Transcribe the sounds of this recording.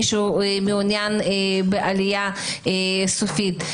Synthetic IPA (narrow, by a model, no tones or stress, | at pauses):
ʃumeunjanebeʔalija | esofit̪